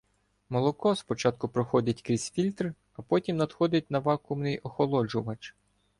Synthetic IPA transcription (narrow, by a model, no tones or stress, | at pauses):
mɔlˠɔkɔspɔt͡ʃɑt̪̚kʊpɾɔxɔdʲɐtʲkɾʲisʲfʲilʲt̪r | ɐpɔtʲimnɐd̪xɔd̪ʲɪt̚ʲnɐʋɑkʊmnɪjɔxɔlˠɔd͡ʒʊʋɐt͡ʃ